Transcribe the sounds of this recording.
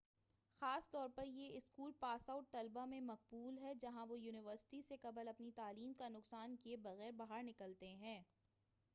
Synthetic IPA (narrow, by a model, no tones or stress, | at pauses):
xaːst̪ɔːɾpɐɾjeɪskuːlpaːsaʊʈ̚t̪ɐlbamẽmɐq̚buːlɦɛd͡ʒɐɦãʋojuːnɪʋəɾsɪ̥ʈisekɐbəlɐpnit̪aːliːmkanʊqsaːnkiebɐɣɛːɾbaɦaɾnɪkəlt̪eɦɛ̃ː